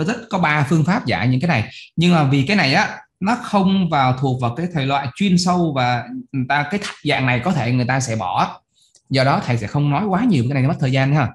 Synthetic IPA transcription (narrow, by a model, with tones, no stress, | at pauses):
zə˦˥t̚kɔ˨˦ɓaː˧fɨ˧əŋfaː˦˥p̚za̰ː˧˩ɲɨ̰˧˥ŋkaː˨˦jna˨˩jɲɨ˧ŋmaː˨˩vi˨˩kaː˨˦jna˨˩jʔaː˨˦ | nɔ˨˦xə˧wŋ͡mvaː˨˩wt̪ʰu˨˩ək̚vaː˨˩wkaː˨˦jt̪ʰəː˨˩jlwa̰ː˧˨jt͡ɕwi˧ənsə˧wvaː˨˩ŋɨ˨˩jt̪aː˧kaː˨˦jt̪ʰḁ˨˩t̚za̰ː˧˨ŋna˨˩jkɔ˨˦t̪ʰe˧˩ŋɨ˨˩əjt̪aː˧sɛ̰˧˥ɓɔ˧˩ʔaː˨˧˦ | zəː˨˩ɗɔ˨˦t̪ʰa˨˩jsɛ̰˧˥xə˧wŋ͡mnɔ˨˦jkwaː˨˦ɲi˨˩wːa˨˩˨t̪ʰːzaː˧n˧˦aː˧˩